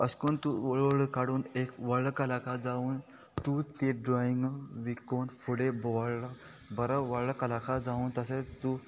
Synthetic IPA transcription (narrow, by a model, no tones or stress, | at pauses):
əskont̪uʋəɭəɭəkaɽuːnekʋəɭəkəlakʰad͡zauːn | t̪ut̪eɖɾɔiŋɡʋikonfuɽebɔʋaɭɭa | bəɾaʋəɭəkəlakʰad͡zauːnt̪əset͡st̪u